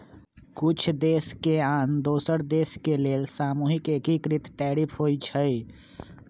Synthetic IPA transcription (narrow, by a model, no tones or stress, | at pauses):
kʊt͡ʃʰd̪eːskeaːnd̪oːsəɾd̪eːskeleːlsaːmuːɦɪkeːkikɾɪt̪ʈɛːɾɪpʰɦoːit͡ʃʰəi